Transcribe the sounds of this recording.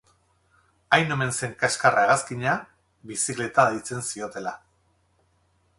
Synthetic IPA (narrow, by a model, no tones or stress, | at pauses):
ajno̞me̞nse̞ŋkaskaraeɣaskiɲa | βisikle̞t̪aðejt͡se̞nsio̞t̪e̞la